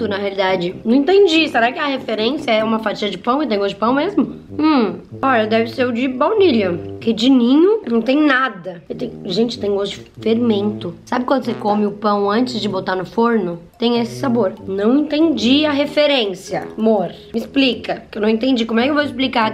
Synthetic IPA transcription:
t̪ʊnɐɦealid̪ad͡ʒɪnɐ̃w̃ẽt̪ẽnd͡ʒiseɾakɪɐhefeɾẽsjɐɛũmɐfat͡ʃiɐd͡ʒɪpɐ̃w̃ewt̪ẽj̃ɡozd͡ʒɪpɐ̃w̃mezmʊ̃ | ɔʎɐd̪ɛvɪseɾʊd͡ʒɪbawniʎɐkɪd͡ʒinĩɲʊnɐ̃w̃t̪ẽj̃nad̪ɐewt̪ẽj̃ʒẽnt͡ʃɪ̥t̪ẽj̃ɡozd͡ʒɪfeɾmẽnt̪ʊsabɪkwɐ̃nd̪ʊsekõmɪʊpɐ̃w̃ɐ̃nt͡ʃɪzd͡ʒɪbot̪aɾnʊfoɾnʊt̪ẽj̃esɪ̥saboɾnɐ̃w̃ẽnt̪ẽnd͡ʒiɐɦefeɾẽsjɐmoɾ | mɪɪsplikɐkewnɐ̃w̃ẽnt̪ẽnd͡ʒikomʊɛkɪewvoɪsplika

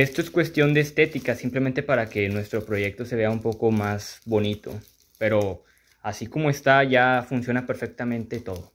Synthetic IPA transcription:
e̞st̪o̞eskwe̞st̪jo̞nd̪e̞ːst̪e̞t̪ikasimple̞mẽnt̪epaɾake̞nwe̞st̪ɾo̞pɾo̞ʝe̞k̚t̪o̞se̞βe̞aumpo̞ko̞mazβo̞nit̪o̞̰ | pe̞ɾo̞ | asiko̞mo̞e̞st̪aʝafunsjo̞nape̞ɾfe̞k̚t̪amẽ̞nt̪e̞t̪o̞ðo̞

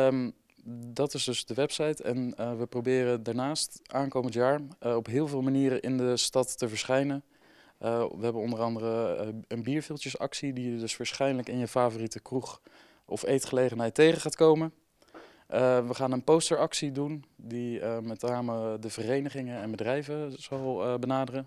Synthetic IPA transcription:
dɑtɪzdɵzdəʋɛpsɑjtɛ̰nʋəprowbɪːrədaːɹnaːstʔaːnkowməntjaːɹɔpɦɪːlˠvɪːlˠmaniːɾənʔɪ̰ndəstɑtːəvəɹsχɛjnən | ʋəɦɛbənɔndərɑndərəənbiːɹvɪlˠtjəsɑ̰ksidijədɵsʋaːɹsχɛjnələkɪnjəfaːvoritəkruχ | ʔɔ̰fejtχəlejχənɦɛjtejχəχaːtkowmən | ʋəχaːnənpostəɹɑksidundimɛtnaːmədəvərejnəχɪŋəɛnbədrɛjvəz̥ɑlˠbənaːdərə

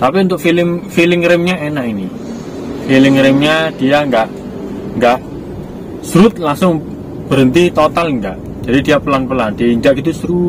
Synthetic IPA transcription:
t̪apiunt̪ʊʔ̚filɪmfilɪŋɾɪmɲaʔenaʔini | filɪŋɾɪmɲad̥ijaŋɡaʔ | ŋɡaʔ | sɾʊt̪̚laŋsʊŋ | b̥əɾənt̪it̪ot̪alŋɡa̰ʔ | d͡ʒ̥adidijapəlanpəland̥̪iiɲd͡ʒaʔɡit̪̬usɾu

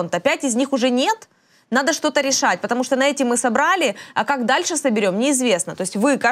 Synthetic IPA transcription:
nt̪əɐpʲætʲɪzʲnʲixʊʐɛnʲe̞t̪ | nad̪əʂt̪o̞t̪əɾʲɪʂatʲpət̪ɐmuʂt̪onɐɛtʲɪmːɨsɐbɾalʲɪɐkaɡd̪alʲʂɨsəbʲɪɾʲo̞mnʲɪːzvʲe̞snət̪o̞sʲtʲvɨka

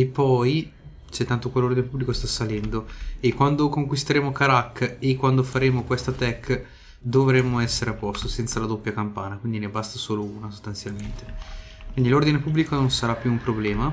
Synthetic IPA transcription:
epːɔj | t͡ʃɛt̪ːant̪okwalord̪inepubːlikost̪asalɛnd̪oekːwand̪okoŋkwist̪eɾeːmokaɾakːekːwand̪ofaɾeːmokwest̪at̪ɛkː | d̪ovɾemːoɛsːeɾeapːɔst̪osɛnt̪salad̪opːjakampaːnakwind̪inebast̪asoːlouːnasost̪ant̪sjalment̪e | kwind̪ilord̪inepubːlikononsaɾapːjuːmpɾoblɛːma

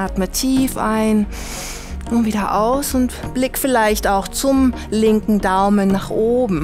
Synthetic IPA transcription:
atmatʰiːfʔa̰ɪn | nʊviːdɐʔa̰ʊsʊntb̥lɪkfɪlaɪçtaʊxt͡sʊm | lɪŋkŋ̩daʊmənːaːχʔoːbm̩

